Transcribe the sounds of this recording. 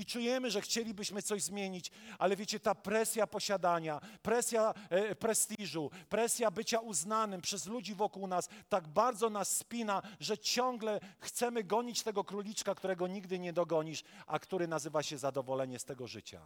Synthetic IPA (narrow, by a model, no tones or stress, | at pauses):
it͡ʂujɛmɘʐɛxt͡ɕelʲibɘɕmɘt̪sɔʑzmʲjeɲit͡ɕʔalɛvʲjet͡ɕɛt̪apɾɛsʲjapɔɕad̪aɲapɾɛsʲjapɾɛst̪iʐupɾɛsʲjabɘt͡ɕauznanɘmpʂɛzlud͡ʑivɔkuwnast̪aɡ̚baɾd̪zɔnasːpʲinaʐɛt͡ɕɔŋɡlɛxt̪sɛmɘɡɔɲit͡ɕt̪ɛɡɔkɾulʲit͡ʂkakt̪uɾɛɡɔɲiɡd̪ɘɲɛd̪ɔɡɔɲiʂʔa̰kt̪uɾɘnazɘvaɕɛzad̪ɔvɔlɛɲɛst̪ɛɡɔʐɘ̰t͡ɕa̰